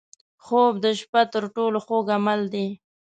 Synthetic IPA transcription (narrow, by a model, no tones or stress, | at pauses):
xob̚d̪əʃpat̪əɾʈoloxoɡamald̪i